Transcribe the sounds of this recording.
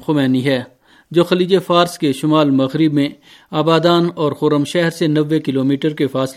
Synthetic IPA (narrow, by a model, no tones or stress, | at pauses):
xʊmɛːniɦɛː | d͡ʒoːxɐliːd͡ʒefaːɾskeʃʊmaːlmɐɣɾɪbmẽ | aːbaːd̪aːnɔːɾxʊːɾəmʃɛɦɛɾsenɐʋːekɪloːmiːʈəɾkefaːs